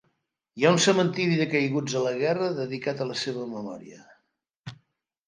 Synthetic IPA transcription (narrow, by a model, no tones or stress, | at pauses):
jaunsəmənt̪iɾiðəkəjɣud͡zələɣ̞ɛrəðəðikat̪ələseβ̞əməmɔ̰ɾiə̰